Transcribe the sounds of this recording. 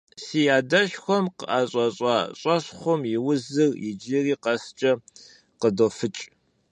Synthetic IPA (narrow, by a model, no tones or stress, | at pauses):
siːjaːdɐɕxʷɔmqəʔaːɕʼɐɕʼɑːɕʼɐɕχʷɔmjɪwʊzɨrjɪd͡ʒɪriːqɐst͡ʃʼɐ | qədofɨt͡ʃʼ